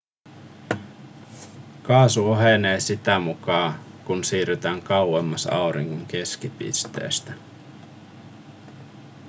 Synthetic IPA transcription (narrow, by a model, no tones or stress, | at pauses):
kɑːsuoɦene̞ːsit̪æmukɑːkunsiːryt̪æːŋkɑwwemːɑsɑ̰wɾḭŋɡoŋke̞skipḭst̪ḛːst̪æ